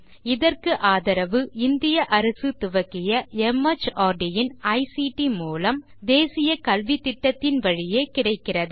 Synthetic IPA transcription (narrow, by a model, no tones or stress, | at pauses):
ɪðɐrkɯʔaːðɐɾɐʋɯɪnd̪ɪjɐʔɐɾɐsɯt̪ʊʋɐkːɪjɐɛmːɐt͡ʃaːɖɪjɪnɐɪsiʈimuːlɐm | d̪eːsɪjɐkɐlʋit̪ːɪʈːɐt̪ːɪnʋɐɻɪjeːkɪɽɐɪkːɪrɐðɯ